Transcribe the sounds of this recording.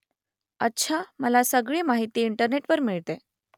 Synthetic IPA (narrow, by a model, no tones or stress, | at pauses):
ətːɕʰaməlasəɡɭiːmaɦit̪iːɳʈəɾneʈʋəɾmiɭt̪e